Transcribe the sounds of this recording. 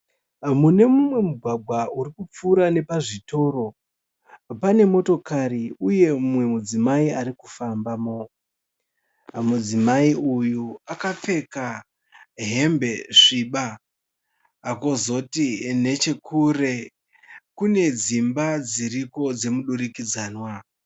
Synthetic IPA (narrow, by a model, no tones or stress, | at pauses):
mune̞mumwe̞muɡʱwaɡʱwaurikup͡fuːɾane̞paʐito̞ɾo̞ | pane̞mo̞to̞kariuje̞umwe̞mud͡zimaiaɾikufambamo̞ | mud͡zimaiujuakap͡fe̞ka | ɦe̞mbe̞ʂiɓa | kozo̞tine̞t͡ʃe̞kʰure̞ | kune̞d͡zimbad͡ziriko̞d͡ze̞muɗuɾikid͡zaːnwa